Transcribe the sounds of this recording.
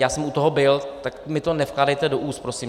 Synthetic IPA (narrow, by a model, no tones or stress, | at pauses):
jaːsɛmʔut̪oɦobɪlt̪akmɪt̪o̞nɛfklaːdɛjt̪ɛdoʔuːst̪pɾosiːm